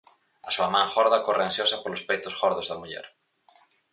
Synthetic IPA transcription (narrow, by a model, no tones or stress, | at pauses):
ɐsuɐmãŋxɔɾðɐkoreansjosɐpolospejt̪ʊsxɔɾðozðɐmuʎɛ̰ɾ